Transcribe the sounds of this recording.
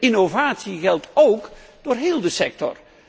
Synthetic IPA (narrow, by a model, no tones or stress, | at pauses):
ɪnovaːtsiɣɛlˠtowkd̥oːɹɦeːlˠdəsɛk̚tɔ̰r